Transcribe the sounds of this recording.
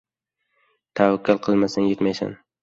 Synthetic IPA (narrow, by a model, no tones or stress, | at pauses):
t̪ʰawakʲʰːalˠqʰɨlˠmasanjet̪majsa̰n